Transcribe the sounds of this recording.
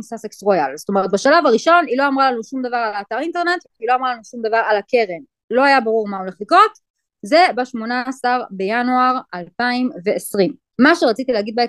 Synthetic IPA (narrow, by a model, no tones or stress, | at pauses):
saseksʁojalzot̪o̞me̞ʁet̪̚baʃalavaʁiʃo̞nilo̞amʁalanuʃumd̪avaʁalaːt̪aʁinte̞ʁne̞t̪ | ilo̞amʁalanuʃumd̪avaʁalakeʁem | lo̞ajabaʁuʁmao̞leχliko̞t̪ | ze̞baʃmo̞naːsaʁbe̞januaʁalpaimve̞ːsʁimː | aʃeʁat͡sit̪ileaɡid̪̚bee